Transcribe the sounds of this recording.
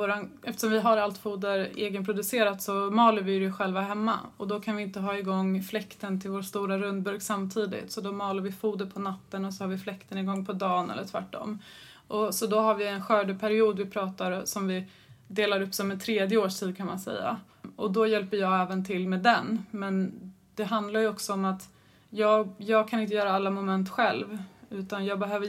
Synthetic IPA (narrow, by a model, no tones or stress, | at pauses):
voːɾanɛft̪ə̥ʂɔmvɪɦaɾalt̪fuːd̪əɾeːɡənpʰɾʊd̪ɵseːɾat̪sɔmɑːlaɾvɪɾɪɧɛlvaɦɛmːa̰ɔd̪ɔkʰanvɪɪnt̪əɦɑːɪɡɔŋːflɛkt̪ənt̪ʰɪlvoːʂt̪uːɾaɾɵnd̪̚bɵɾɡsamːt̪ʰiːd̪ɪ̰t̪sɔd̪ɔmɑːlaɾvɪfuːd̪əɾpʰɔnat̪ːənɔsɔhaɾvɪflɛkt̪ənɪɡɔŋːpʰɔd̪ɑːnɛ̰lːəʈʰvæ̰ʈːɔ̰mː | ʔɔsɔd̪ɔɦaɾvɪɛnɧœːɖəpʰæɾɪuːd̪vɪpʰɾɑːt̪aɾsɔmvɪ | d̪eːlaɾɵpːsɔmɛnt̪ʰɾeːd̪jəoːʂʈʰiːd̪̚kʰanmansɛ̰jːa̰ | ɔd̪ɔjɛlpəɾjɑːɡɛːvənt̪ʰɪlːmeːd̪ɛnmɛn | d̪̥ɛɦand̪laɾjɵɔksɔɔmat̪ | jɑːjɑːɡ̚kʰanɪnt̪əjœːɾaalːamʊmɛnt̪ɧɛlvʉ̟ːt̪anjɑːɡbɛɦøːvə